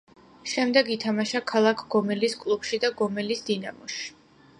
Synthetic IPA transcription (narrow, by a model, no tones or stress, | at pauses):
ʃɛmd̪ɛɡit̪ʰamaʃakʰalˠakʰɡ̥ɔmɛliskʼlˠubʃid̪aɡɔmɛlisd̪̥ina̰mɔʃi̥